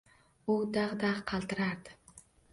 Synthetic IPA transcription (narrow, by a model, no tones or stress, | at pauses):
ʊd̪ɑʁd̪ɑʁqʰɑlˠt̪ɨɾaɾd̪ɪ̥